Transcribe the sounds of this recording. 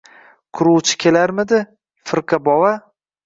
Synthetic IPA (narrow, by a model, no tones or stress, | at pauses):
kʰʊɾuwt͡ʃʰɪ̥kʲʰe̞laɾmɪd̪ɪ | fɪɾqʰɨbɒwa